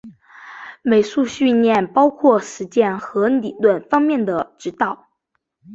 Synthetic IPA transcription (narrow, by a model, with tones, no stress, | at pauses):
me˨˩ɪʂu˥˧ɕy˥˧njɛ˥˩npɑ˥ʊkʰwɔ˥˩ʂɻ̩˧˥t͡ɕjɛ˥˧nxɤ˧˥ni˨˩lwə˥˩nfɑ˥ŋmjɛ˥˩nd̪ə˩ʈ͡ʂɻ̩˧˥t̪ɑ˥˩ʊ